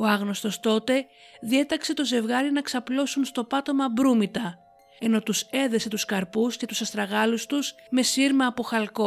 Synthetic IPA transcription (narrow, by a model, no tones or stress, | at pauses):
o̞ɐɣno̞st̪o̞st̪o̞t̪e̞ðie̞t̪ɐkse̞t̪o̞ze̞vɣɐɾinɐksɐplo̞sunst̪o̞pɐt̪o̞mɐbɾumit̪ɐ | e̞no̞t̪use̞ðe̞se̞t̪uskɐɾpusce̞t̪usɐst̪ɾɐɣɐlust̪usme̞siɾmɐːpo̞xɐlko̞